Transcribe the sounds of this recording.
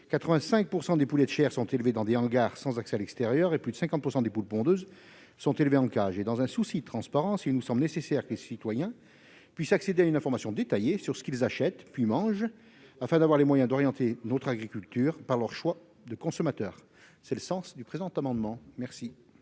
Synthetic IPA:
kat̪χəvɛ̃sɛ̃k̚puʁsɑ̃d̪epulɛt̪ʃɛʁsɔ̃t̪elved̪ɑ̃d̪eɑ̃ɡaʁsɑ̃zaksɛalɛkst̪eʁjœʁeplyd̪əsɛ̃kɑ̃t̪̚puʁsɑ̃d̪epulpɔ̃d̪øz | sɔ̃t̪elveɑ̃kaʒed̪ɑ̃zɛ̃susid̪ət̪χɑ̃spaʁɑ̃silnusɑ̃blnesesɛʁkəlesit̪wajɛ̃ | pɥisaksed̪eaynɛ̃fɔʁmasjɔ̃d̪et̪ajesyʁsə̥kilzaʃɛt̪pɥimɑ̃ʒ | afɛ̃d̪avwaʁlemwajɛ̃d̪ɔʁjɑ̃t̪enot̪χaɡʁikʲylt̪yːʁpaʁlœʁʃwa | d̪əkɔ̃sɔmat̪œːʁ | sɛləsɑ̃sd̪ypχezɑ̃t̪amɑ̃d̪mɑ̃mɛʁsi

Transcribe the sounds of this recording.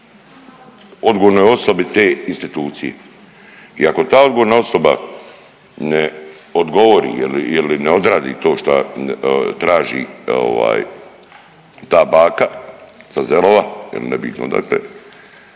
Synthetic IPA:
o̞d̪ɡoʋoɾnojo̞sobit̪eːinst̪it̪uːt̪sijḛ | iako̞t̪aːo̞d̪ɡoʋoɾnao̞soba̰ | ne | od̪ɡo̞ʋoɾḭːjelijelineo̞d̪ɾaːd̪ḭːt̪o̞ːʃt̪a | t̪ɾaːʒḭːo̰ʋa̰ːj | t̪aːbaːkasazeloʋajḛlinebḭt̪no̰d̪a̰klḛ

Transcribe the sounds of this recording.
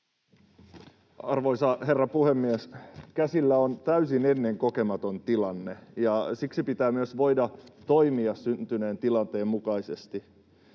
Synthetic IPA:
ɑrʋoisɑhe̞rːɑpuhemːieskæsilːæont̪æysinenːe̞ŋko̞ke̞mɑt̪o̞nt̪ilɑnːejɑsiksipit̪æːmyøsʋo̞jdɑt̪o̞imiɑssynt̪yne̞ːnt̪ilɑnt̪e̞ːmmukɑisest̪i

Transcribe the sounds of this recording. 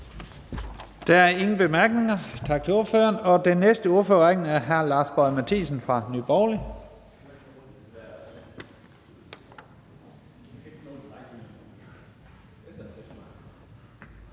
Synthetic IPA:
d̥ææɐe̝ŋn̩b̥e̝mæɐɡ̥ne̝ŋɐt͡sʰɑ̈ɡ̥̚t͡sʰe̝o̝ɐføːɐnɒ̽d̥enːesd̥əuɐføɐʁaŋ̥n̩æɐɦæɐlɑ̈ːsb̥ɒ̽ɪmæt͡sʰḭːsn̩fʁɑ̈nyb̥ɒːli

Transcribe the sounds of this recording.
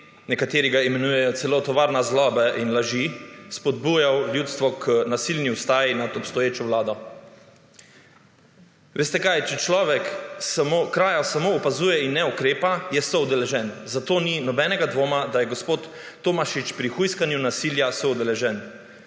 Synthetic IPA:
nɛkat̪eːɾiɡaimɛnuːjɛjɔt̪sɛloːt̪ɔʋaːɾnazlɔːbaʔinlaʒispɔd̪̚buːjawljut̪st̪ʋɔkʰənasilniwst̪aːjinad̪ɔpst̪ɔjeːt͡ʃɔʋlaːd̪ɔ | ʋʔeːst̪ɛkajt͡ʃɛt͡ʃlɔːʋɛksamokɾaːjasamoːpazuːjɛinːɛukɾeːpajɛsɔwd̪ɛlɛʒɛnzat̪oːninɔbɛnɛɡad̪ʋoːmad̪ajɛɡospoːt̪ː | omaʃit͡ʃpɾixujskanjunasiːljasɔwd̪ɛlɛʒɛn

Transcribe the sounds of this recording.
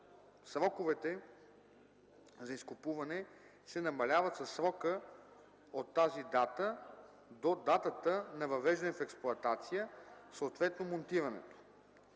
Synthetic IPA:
sɾɔkovɛt̪ɛ | zɐiskopuvɐnɛ | sɛnɐmɐlʲavɐt̪sɐsːɾɔkə | ot̪ːazid̪at̪ə | d̪od̪at̪ət̪ənɐvɐvɛʒd̪ɛnɛfɛksplˠʊɐt̪at̪sijəsot̪vɛt̪nomont̪iɾɐnɛ̰t̪o̥

